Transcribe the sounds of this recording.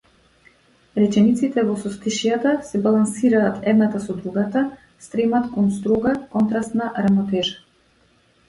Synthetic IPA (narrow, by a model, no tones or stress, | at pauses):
ɾɛcɛnit̪sit̪ɛvɔsɔst̪iʃijat̪asɛbalˠansiɾaːt̪ʰɛd̪nat̪asɔd̪ɾuɡat̪a | st̪ɾɛmat̪kɔnst̪ɾɔɡakɔnt̪ɾast̪naɾamɔt̪ɛʒa